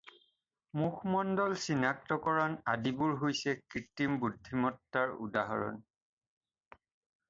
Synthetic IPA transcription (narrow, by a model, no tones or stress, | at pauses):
muxʰmɔndɔlsinak̚tɔkɔɹɔnadibuɹɦojsɛkɹitːimbudʱːimɔtːaɹṵdaɦɔ̰ɹɔ̰n